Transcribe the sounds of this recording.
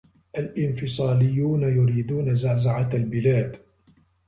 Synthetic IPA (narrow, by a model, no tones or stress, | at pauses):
ʔalʔɪnfɪsˤɑːlɪjːuːnajʊɾiːd̪uːnazaːzaʕat̪albɪlaːd̪